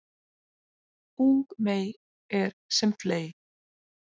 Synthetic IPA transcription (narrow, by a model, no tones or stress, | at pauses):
uŋkmeːj | ɛɾ̥sɛmfleːj